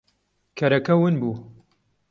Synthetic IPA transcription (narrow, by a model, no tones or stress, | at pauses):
kʰɐɾɐkɐwɨnbuː